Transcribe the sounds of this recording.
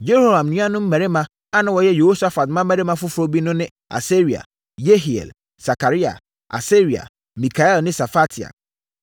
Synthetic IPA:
d͡ʒe˦ɾho˦˨hã˨mnĩ˦ã˦nʊ̃˦m̩˦mæ̃˨ɾe˦mã˦ | a˦nã˨wɔ˨jɛ˦je˨ho˦sa˦fa˨t̚mã˦mɛ̃˨ɾe˦mã˦fʊ˦fʊ˨ɾo˦bi˦nʊ̃˦nɪ̃˦ | a̰˨se˦ɾi˨a̰˨ | je˦ɦi˨ɛ̰˨l | sa˨kʰa˨ɾi˦a̰˨ | ʔa̰˨se˦ɾi˨a̰˨ | mĩ˨kʰa˨ɛ˦lnɪ̃˦sa˨fa˦tʰi˨a̰˨

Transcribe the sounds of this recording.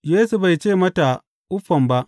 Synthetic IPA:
jeː˦su˨ba˨jt͡ʃeː˦˨mɐ˦ta˨ | ʔʊ˦ɸːɐ˨mba˦ʔ

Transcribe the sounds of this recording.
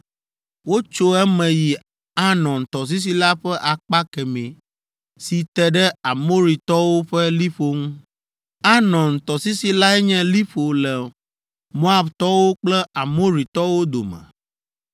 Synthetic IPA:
wo˦t͡ʃo˦ɛ˦mɛ̃˨ji˨ | a˦nɔ̃˨nt̪ɔ˨s̬i˦s̬i˦la˦ɸɛ˦ʔa˨k͡pa˦kɛ˨mẽ˨ | si˨t̪ɛ˦ɖɛ˦a˨mo˦ɾi˨t̪ɔ˦wo˦ɸɛ˦li˦ɸo˦ŋũ˦ | a˦nɔ̃˨nt̪ɔ˨si˦si˦la˦ɛ˦ɲɛ̃˦li˦ɸo˨lɛ˨ | mõ˦a˦bt̪ɔ˦wo˦k͡plɛ˦a˨mo˦ɾi˨t̪ɔ˦wo˦d̪o̰˨mɛ̰̃˨

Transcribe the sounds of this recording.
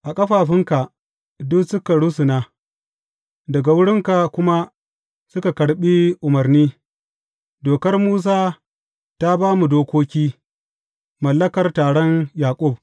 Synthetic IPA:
ʔa˨kʼɐ˦ɸaː˨ɸɪ˦ŋka˨ʔ | dʊ˦ksʊ˦ka˨ɽʊ˦sʊ˨naː˦ | dɐ˨ɡa˨wʊ˦ɽɪ˦ŋka˨kʷʊ˦ma˦ | sʊ˦ka˨kɐ˨ɽɓi˦ʔʊ˨mɐ˨rniː˦ | doː˨kɐ˦rmuː˦s̬aː˦ | ta˦baː˦mu˨doː˦kʷoː˦kʲiː˦ | mɐ˨lːɐ˦kɐ˨rtaː˨ɽɔ˦njaː˨kʷʼʊ˦˨b̚

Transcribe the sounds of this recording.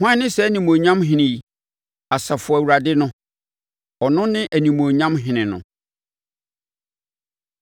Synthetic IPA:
hʷã˦nɪ̃˦sɛ˨˦nĩ˨mõ˨ɲã˦mɦɪ̃˦nɪ̃˨j | a˨sa˨fʊ˨æ˨wu˨ɾa˨dɪ˦nʊ̃˦ | ɔ˨nʊ̃˦nɪ̃˦ʔæ˨nĩ˨mõ˨ɲã˦mɦɪ̃˨nɪ̃˨nʊ̰̃˨

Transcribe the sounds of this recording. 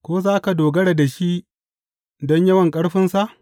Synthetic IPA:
kʷoː˦zaː˦ka˨doː˨ɡɐ˦ɽa˨da˨ʃi˦ʔ | dɔ˦ɲjɐ˦wɐ˨ŋkʼɐ˦ɽɸɪ˦nsa˨ʔ

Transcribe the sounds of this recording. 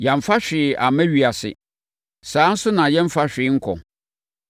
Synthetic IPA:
ja˨ɱ̩˨fa˦ɕᶣɪ˨ʔa˨mɛ̃˦ɥi˨a˨sɪ̰˨ | sãː˨˦n̩˦sʊ˦nã˨jɛ̃˦m̩˦fa˦ɕᶣɪ˨˦ŋ̩˦kʰɔ̰˨

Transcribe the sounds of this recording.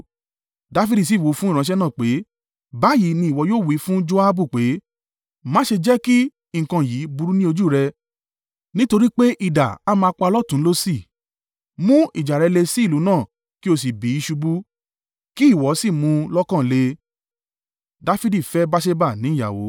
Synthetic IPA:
da˨˦fi˦di˦˨s̬i˦˨wo˨˦fũ˦i˦˨ɾ̃ã˧˦ʃ̬ɛ˦nãː˦˨k͡pe˨˦ | ba˨˦˨ji˨˦nĩ˧i˨wɔ˧˦joː˦˨wi˨˧˦fũ˦d͡ʒo˦a˦bu˦˨k͡pe˨˦ | mã˦ʃe˧d͡ʒɛ˦ki˦ | ŋ̩˨kã˧˨jiː˨˦bu˧ɾu˦nĩ˦o˧d͡ʒu˦˨ɾɛ˧ | nĩ˦to˧ɾi˦k͡pe˦ʔi˦˨da̰˨a˦mãː˧k͡pa˧lɔ˦tũ˨˦lo˦si˦˨ | mũ˦ḭ˦˨d͡ʒa˨ɾɛ˨˧˦le˧si˦˨lu˨˦nãː˦˨ | ki˦o˧s̬i˨bi˨˦i˧ʃu˧bu˦ | ki˦˨wɔ˨˦si˦˨mũ˧lɔ˦kã˦˨le˧ | da˦fi˦di˦˨fɛ˦ba˦ʃ̬e˦ba˦˨nĩ˨˦˨ja˨wo̰˨˦

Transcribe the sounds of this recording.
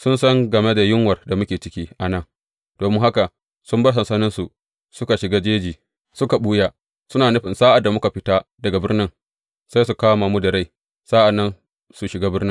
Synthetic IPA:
sʊ˦nsɐ˦ŋɡɐ˨me˦da˨jɪ˦ŋwɐ˨rda˨mʊ˦kʲeː˨t͡ʃɪ˦kʲiː˦ʔa˨nɐ˦˨ŋ | d̥oː˨mɪ˦ŋha˦ka˨ | sʊ˦mbɐ˦s̬ɐ˨nsɐ˦nɪ˦nsu˨ | sʊ˦ka˨ʃɪ˨ɡaː˦d͡ʒeː˦d͡ʒiː˨ | sʊ˦ka˨ɓuː˦jaː˦ | sʊ˦naː˨nʊ˦ɸɪ˨nsaː˦ʔa˨dːa˨mʊ˦ka˨ɸɪ˦ta˦dɐ˨ɡa˨bɪ˦rnɪ˦ŋ | sa˦js̬u˨kaː˦ma˨mu˦dɐ˨ɽa˦j | saː˦ʔa˨nːɐ˦n | su˨ʃɪ˨ɡaː˦bɪ˦rnɪ˦

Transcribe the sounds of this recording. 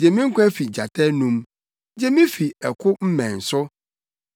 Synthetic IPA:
d͡ʑɛ˨mĩ˦ŋ̩˦kʷʰɛ̃˦fi˨d͡ʑa˨tʰɛ˦nũ˦m | d͡ʑɛ˦mĩ˦fi˨ɛ˨kʰʊ˦m̩˦mɛ̃˨n̩˨sʊ˦

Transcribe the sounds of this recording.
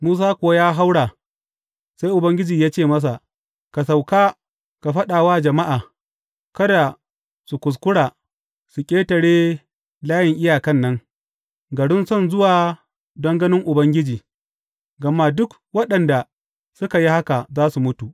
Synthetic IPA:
muː˦s̬aː˦kʷʊ˨a˦jaː˦ɦa˦wɽaː˨ | sa˦jʔʊ˨bɐ˦ŋɡʲɪ˦d͡ʒiː˨jaː˦t͡ʃeː˦˨mɐ˦s̬a˨ʔ | ka˨sa˨wkaː˦ | ka˨ɸɐ˦ɗaː˨waː˦d͡ʒɐ˨ma˦ʔaː˨ | kɐ˦da˨ | su˨kʷʊ˨s̬kʷʊ˦ɽaː˨ | su˨kʲʼeː˦tɐ˨ɽeː˦ | laː˦jɪ˨ŋʔɪ˦jaː˨kɐ˦˨nːɐ˦ŋ | ɡɐ˨ɽɪ˦nsɔ˦nzʊ˦waː˨ | dɐ˦ŋɡɐ˦nɪ˦ŋʔʊ˨bɐ˦ŋɡʲɪ˦d͡ʒiː˨ | ɡɐ˨mːa˦dʊ˦k | wɐ˦ɗɐ˨nda˨ | sʊ˦ka˨ji˦ha˦ka˨zaː˦su˨mʊ˦tu˨ʔ

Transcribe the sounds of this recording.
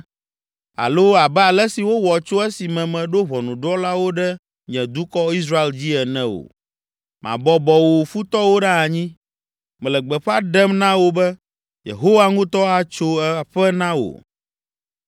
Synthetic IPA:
a̰˨lo˦a˨bɛ˦a˨lɛ˦si˨wo˦wɔ˨t͡ʃo˦ɛ˦si˨mɛ̃˨mɛ̃˨ɖo˦βɔ˨nũ˨ɖɔ˦la˦wo˦ɖɛ˦ | ɲɛ̃˨d̪u˦kɔ˦i˦sɾa˦e˦ld͡ʑi˦ɛ˨nɛ̃˦o̰˨ | mʔã̰˨bɔ˦bɔ˨wo˨fu˦t̪ɔ˦wo˦ɖa˦a˨ɲĩ˦ | mɛ̃˨lɛ˨ɡ͡bɛ˨ɸa˦ɖɛ˦mnã˦wo˦bɛ˦ | jḛ˨ɦo˦wa˦ŋũ˦t̪ɔ˦a˦t͡ʃo˦ɛ˦˨ɸɛ˦nã˦wo̰˨

